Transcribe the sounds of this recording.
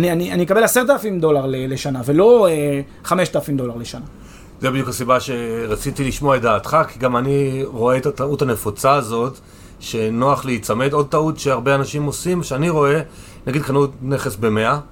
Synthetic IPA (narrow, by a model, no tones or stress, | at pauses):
anianianimekabe̞laseʁt̪̬alafimd̪o̞laʁlele̞ʃanave̞lo̞e | χame̞ʃt̪alafimd̪o̞laʁleʃana | zebid̪jukhasibaʃe̞ʁat͡sitiliʃmoaedaːt̪χakiɡamaniʁo̞eetatauthanefot͡saːzo̞t | ʃe̞no̞aχleit͡same̞do̞d̚taut̪ʃeaʁbeanaʃimo̞simoʃeaniʁo̞e̞ | naɡid̪̚kanutne̞χesbe̞me̞a